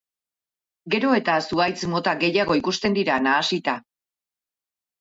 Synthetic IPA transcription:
ɡe̞ɾo̞e̞t̪asuajt͡smo̞t̪aɡe̞jaɣ̞o̞ikust̪e̞nd̪iɾanaːsit̪a

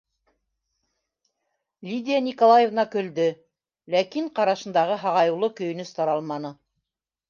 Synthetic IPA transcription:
lʲid̪ʲijanʲikolˠajevnɑkɵ̆ld̪ɘ | lækiɴqɑɾɑʃɤ̆nd̪ɑʁɤɦɑʁɑjɤ̆wlˠɤkɵ̆jɵ̆nɵst̪ɑɾɑlˠmɑnɤ

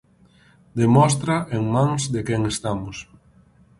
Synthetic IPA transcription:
d̪emɔst̪ɾaʔeŋmãŋzd̪ekɛŋest̪amʊs

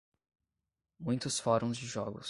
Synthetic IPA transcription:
mũj̃t̪ʊsfɔɾõw̃zd͡ʒɪʒɔɡʊ̰s

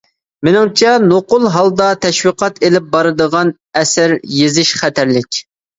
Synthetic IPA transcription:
mɪnɪŋt͡ʃʰɛnoqʊlˠɦɑlˠd̪ɑt̪ʰɛʃwiqʰɑt̪elɪp̚bɑɾɨd̪əʁɑn | ɛsɪɾjezɪʃχɛt̪ʰæɾlɪkʲ

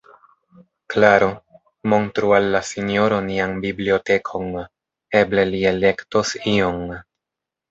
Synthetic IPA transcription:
klaɾo̞ | mo̞ntɾualːasino̞ɾoniaŋbiblio̞te̞kʰo̞ŋ | e̞ble̞liele̞ktosioŋ

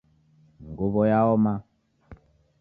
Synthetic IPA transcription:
ŋɡoβɔjaɔma

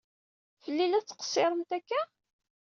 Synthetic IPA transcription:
fəlːilæt͡sːə̥qə̥sːɪɾˤənt̪ækːæ

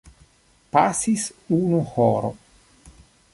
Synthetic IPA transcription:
pasisunuhoɾo̰

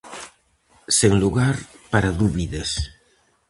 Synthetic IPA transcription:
seŋluɣaɾpaɾaðuβiðɐs

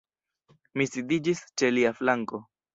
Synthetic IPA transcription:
misidid͡ʒist͡ʃe̞liaflaŋko̞

